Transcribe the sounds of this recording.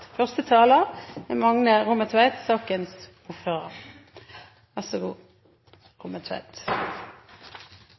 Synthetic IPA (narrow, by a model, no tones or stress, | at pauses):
fœʁst̪ət̪ʰɑːləʁɛmɑŋnəʁʊməʁt̪ʰʋæɪt̪sɑːkəns | ʊːføːʁəʁ | ʋæʁsʊɡuː | ʁʊməʁt̪ʰʋæ̰ɪt̪